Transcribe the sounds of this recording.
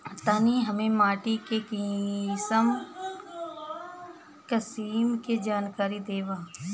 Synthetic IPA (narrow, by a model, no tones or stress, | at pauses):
t̪aːniɦɐmẽmaːʈikekĩsəm | kəsiːmked͡ʒaːnkaːɾid̪eːʋaː